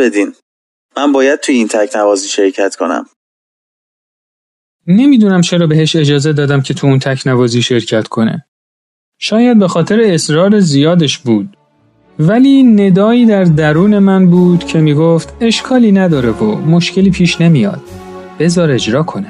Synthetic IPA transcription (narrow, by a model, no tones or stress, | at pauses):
bed̪in | mænbɒːjæd̪̚t̪ʰujeint̪ʰæcʰnævɒːziːʃe̞ɾcʰæt̪kʰo̞̰næ̰m | ne̞miːd̪uːnæmt͡ʃʰe̞ɾɒːbe̞ɦheʃe̞d͡ʒɒːze̞d̪ɒːd̪æmcʰe̞t̪ʰuunt̪ʰæcʰnævɒːziːʃe̞ɾcʰæt̪ʰkʰo̞nḛ | ʃɒːjæd̪̚be̞xɒːt̪ʰe̞ɾeːsɾɒːɾezijɒːd̪eʃbuːd̪̥̚ | væliːne̞d̪ɒːiːd̪æɾd̪æɾuːne̞mænbuːd̪̥cʰe̞miːɡoft̪ʰe̞ʃkʰɒːliːnæd̪ɒːɾevomo̞ʃce̞liːpʰiːʃne̞mijɒ̰ːd̪̥̚ | b̥e̞zɒːɾe̞d͡ʒɾɒːkʰo̞ne